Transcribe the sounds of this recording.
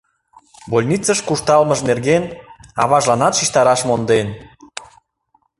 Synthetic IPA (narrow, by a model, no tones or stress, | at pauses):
bolʲnʲit͡səʃkuʃt̪ɑlməʃnerɣenɑ̰βɑʒlɑnɑt̪ʃiʃt̪ɑɾɑʃmond̪en